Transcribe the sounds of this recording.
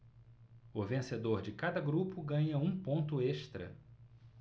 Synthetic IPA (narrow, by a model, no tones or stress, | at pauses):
ʊvẽsed̪oɾd͡ʒɪkad̪ɐɡɾupʊɡɐ̃ɲɐũpõnt̪ʊeʃt̪ɾɐ̰